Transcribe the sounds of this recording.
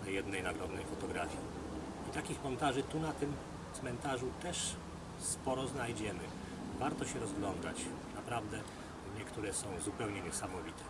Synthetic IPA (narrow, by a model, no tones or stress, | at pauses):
najɛd̪nɛjnaɡɾɔd̪nɛjfɔt̪ɔɡɾafʲji | it̪akʲixmɔnt̪aʐɘt̪unat̪ɘm | t̪smɛnt̪aʐut̪ɛʂ | spɔɾɔznajd͡ʑɛmɘ | vaɾt̪ɔɕɛɾɔzɡlɔnd̪a̰t͡ɕ | napɾavd̪ɛ | ɲɛkt̪uɾɛsɔ̃w̃zupɛwɲɛɲɛsamɔvʲit̪ʰɛ̥